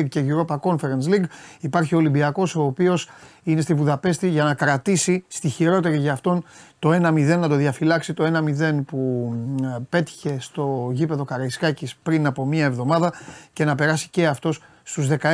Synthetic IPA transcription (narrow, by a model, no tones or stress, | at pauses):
ɡ̚ce̞ʝuɾo̞pɐko̞nfeɾɐns̬liɡipɐɾçiolimbiɐko̞so̞ːpio̞sine̞st̪ivuðɐpe̞st̪iʝɐnɐkɾɐt̪isist̪içiɾo̞t̪e̞ɾiʝɐːft̪o̞nt̪o̞e̞nɐmiðe̞nːɐt̪o̞ðiɐfilɐksit̪o̞e̞nɐmiðe̞npu | pe̞t̪i̥çe̞st̪o̞ʝipe̞ðo̞kɐɾɐiskɐcispɾinɐpo̞miɐevðo̞mɐðɐce̞nɐpe̞ɾɐsi̥ce̞ɐft̪o̞s | st̪uzðe̞kɐ